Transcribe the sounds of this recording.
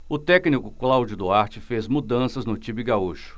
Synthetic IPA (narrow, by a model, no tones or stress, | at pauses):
ʊt̪ɛknikʊklawd͡ʒʊd̪ʊaɾt͡ʃɪfezmud̪ɐ̃sɐznʊt͡ʃibɪɡauʃʊ̥